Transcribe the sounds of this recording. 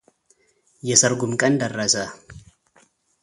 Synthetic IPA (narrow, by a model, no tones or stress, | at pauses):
jɛsɐɾɡʊmkʼɐnd̪ɐrːɐsa